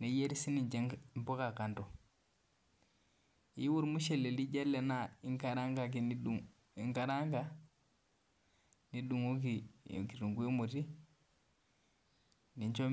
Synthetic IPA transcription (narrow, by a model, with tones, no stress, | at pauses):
ne˨je˦ɾi˦si˦ni˨ɲd͡ʒe˦mpo˦ka˨ka˨nto˨ | ji˦wu˦ɾmu˦ʃe˨le˨li˦d͡ʒe˦lːe˨na˦˨i˦ŋka˨ɾa˦ŋɡa˨k̬i˨ni˦ɗu˨ | i˨ŋka˨ɾa˦ŋɡa˦ | ni˦du˨ŋu˦k̬ḭ˨ki˨ɾu˨ŋɡu˦i˦mo˨ti˦ | ni˨ɲt͡ʃo˦